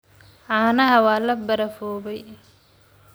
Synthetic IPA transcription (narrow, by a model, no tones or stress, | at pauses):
ʔaːnɐɦɐwaːlɐbɐɾɐfɔːβɛj